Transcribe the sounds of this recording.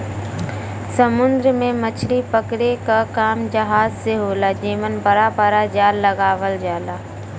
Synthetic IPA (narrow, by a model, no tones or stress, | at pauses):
səmʊnd̪ɾəmẽmət͡ʃʰlipəkɽekakaːmd͡ʒəɦaːzseɦoːlad͡ʒiːʋənpəɾapəɾad͡ʒaːlːəɡaːʋəld͡ʒaːlaː